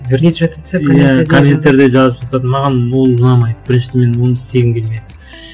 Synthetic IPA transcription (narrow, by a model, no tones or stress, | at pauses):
ɾet̪sejæk̪ʰomʲent̪eɾd̪eʒɑzəpʒɑt̪ɑd̪ənmɑʁɑnwo̞lˠʊnɑmɑjd̪əb̥ɪɾɪnʃɪt̪me̞nwonəɪst̪e̞ɡʲɪmkʲe̞lmejd̪ɪ